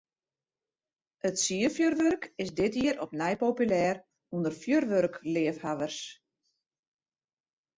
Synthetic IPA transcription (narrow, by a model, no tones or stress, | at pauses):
ətsiəfjørʋørkɪsdɪtiəɾʔɔpnɛjpoːpylɛːr | undərfjørʋørklɪəfhaʋərs